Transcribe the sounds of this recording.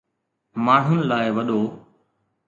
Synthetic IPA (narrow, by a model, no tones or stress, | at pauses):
maːɳ̤ʊnɪ̆laːɪʋɐɗoː